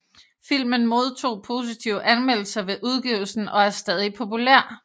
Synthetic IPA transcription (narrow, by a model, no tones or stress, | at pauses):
fil̰mənmo̝ð̞ˠt͡sʰo̝̰ːpʰo̝ːs̬it͡sʰiʊ̰əʔænmel̰l̩sɐʋe̝ʔuð̞ˠɡ̥iʊl̩sn̩ɒ̽æɐsd̥ɛð̞ˠipʰo̝pulæɐ̰